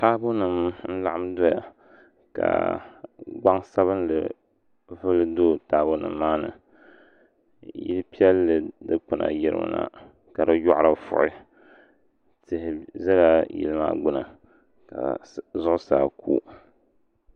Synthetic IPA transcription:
taː˦bʊ˦nɨ˨mn̩˦la˦˨ʔa˦mdo˦ja̰˨ | ka̰˨ | ɡ͡ba˦ŋsa˦βɨ˦nlɨ˨ | vɨ˦lɨ˦do˦taː˨˦˨bʊ˦nɨ̰˨mmːaː˦nɨ̰˨ | jḭ˦lpi˦ɛ˦lːɨ˨dɨ˦k͡pɨ˨na̰˨jɪ˦ɾɨ̰˦m̰˨na̰˨ | ka˨ɾɨ˦jɔ˦ʔɾa˨fʊ̰˨ʔɪ˦ | tɨ˨hɪ˨zɛ˦la˦jḭ˨lɨ˦ma̰˦ɡ͡bʊ˦nɨ̰˨ | ka̰˨zʊ˦ʔʊ˦saː˨kʰṵː˦

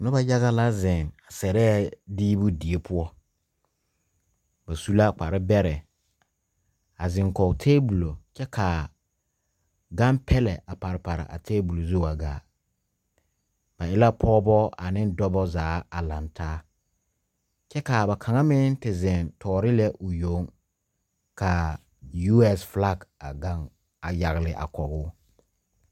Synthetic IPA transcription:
nʊ˦ba˦ja˦ɣa˦la˦zɪ˨na˨sɛ˨ɾɛ˦˨diː˦bʊ˦di˨e˦pʰʊ˦ɔ˦ | ba˨su˦la˦˨k͡pa˨ɾɪ˦bɛ˦ɾɛ˨ | a˨zɪ˨ŋkɔ˨tʰeː˦bu˨lo˨t͡ʃɛ˦kʰa˨ | ɡa˦mpʰɛ˦lɛ˨a˨pa˨ɾɪ˨pa˨ɾa̰˨ʔa̰˨tʰeː˦bu˨lo˨zo˦˨a˨ɡa̰ː˨˦ | b̥a˨ʔɪ˦la˦pʰɔː˦bɔ˦ʔa˨nɪ˦dɔ˦bɔ˦zaː˨˦a˨la˨ntʰaː˦ | t͡ʃɛ˦ka˨ba˨kʰa˨ŋa˦mɪ˦n˦tɪ˨zɪ˨ntʰɔː˨ɾɪ˦lɛ˦ʔʊ˨jo˨˦ŋ | ka˨ | ju˦ɛ˦sfla˦˨ɡa˨ɡa˦ŋ | a˨ja˨ɣlɪ˨ʔa̰˨kɔ˨ɡʊː˦

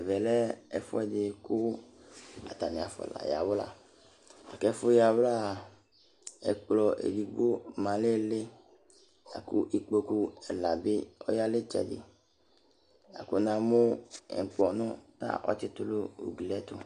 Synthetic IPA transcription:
ɛ˨vɛ˨lɛ˦ɛ˨fʊ̰˦ɛ˦dɪ˨kʊ˦ | a̰˨t̪a˨nɪ̃˨a˨fɔ̰˨la̰˨ja̰˨wla̰˦ | a˨kɛ˦fʊ˦ja˨wla˦˨ | ɛ̰˨k͡plɔ˨ʔḛ˨li˨ɡ͡bo˦mã˨le˦le˦ | a̰˨kṵ˦ʔi˦k͡po˨ku˦ɛ˨la˨bɪ˦ɔ̰˦ja˦le˦t͡ʃɛ̰˨dɪ̰˨ | a̰˨kʊ˦nã˨mo˦ɛ̰˨ŋ˨k͡pɔ˨nʊ̃˦na̰˦ʔɔ̰˦t͡ʃɪ˦t̪ʊ˦lʊ˦o̰˨ɡi˨lɛ˦t̪ʊ˦

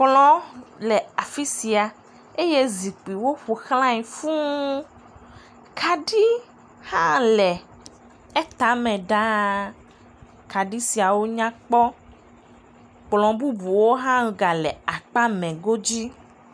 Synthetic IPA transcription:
k͡plɔ̃˦lɛ˨a˨fi˦si˨a˨ | e˦je˦zi˨k͡pi˨wo˦ɸu˨xlã˦i˨fũ˦ | kʰa˨ɖi˦ | hã˦lɛ˨ | e˦t̪a˨˦mɛ̃˨ɖa˦ | ka˨ɖi˦si˨a˨wo˦ɲã˦k͡pɔ˦ | k͡plɔ̃˨bu˦bu˨wo˦ɦã˦˨ɡa˨lɛ˨a˨k͡pa˦mɛ̃˨ɡo˦d͡ʑi˦

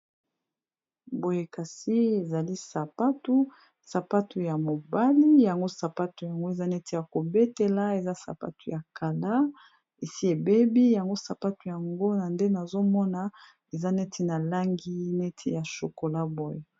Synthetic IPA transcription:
bo˨je˨ka˨si˦e˨za˨li˦sa˨pa˦tu˦ | sa˨pa˦tu˨ja˨mo˨ba˦li˦ja˨ŋɡo˦sa˨pa˦tu˨ja˨ŋɡo˦e˨za˦nɛ˦te˨ja˨ko˨be˦te˨la˦e˨za˦sa̰˨pa̰˦tu˨ja˨ka˨la˦ | e˨si˦e˨be˦bi˦ja˨ŋɡo˦sa˨pa˦tu˨ja˨ŋɡo˦na˨nde˦na˨zo˦mɔ˦na˨ | e˨za˦nɛ˦tʰi˨na˨la˦ŋɡi˦nɛ˦tʰe˨ja˨ʃo˨ko˨la˦bo˨je˨

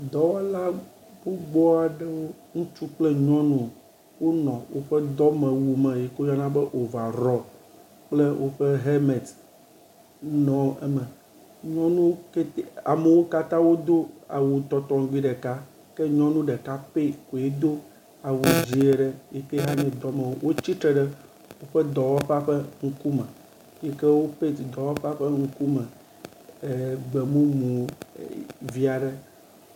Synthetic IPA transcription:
d̪ɔ˦wɔ˦la˦ | bo˦ɡ͡bɔ˦a˨ɖɛ˦wo˦ | ŋũ˦t͡ʃu˦k͡ple˦ɲɔ̃˦nũ˦ | wo˦nɔ̃˨wo̰˦ɸɛ˦d̪ɔ˦mɛ̃˨wu˨mɛ̃˨je˨ko˦ja˦nã˦bɛ˦ʔo˨va˨ɾɔ˨ | k͡ple˦wʔo˦ɸe˦ɦe˦me˨t̪ | nɔ̃˨ɛ˦mɛ̃˨ | ɲɔ̃˦nũ˦ke˦a˨me˨wo˦ka˦t̪ã˦wo˦d̪o˦a̰˨wo˨t̪ɔ˨t̪ɔ̃˨ŋ˦ɡ͡bi˦ɖɛ˨ka˦ | ke˦ɲɔ̃˦nũ˦ɖe˨ka˦pe˦ko˨je˦d̪o˦ | a˨wo˨d͡ʑi˨e˨ɖɛ˦je˦ke˦ɦa˦ɲɛ̃˨d̪ɔ˦me˨wo˦wʔo˦t͡ɕi˦t̪ɾe˨ɖɛ˦ | wo˦ɸe˦d̪ɔ˨wɔ˦ɸa˦ɸɛ˦ŋũ˦ku˦mɛ˨ | je˦ke˦wo˦ɸe˦˨d̪ɔ˨wɔ˦ɸa˦ɸe˦ŋũ˦ku˦mɛ̃˨ | ɡ͡be˨mũ˦mũ˨˦ | vi˦a˨ɖɛ˦

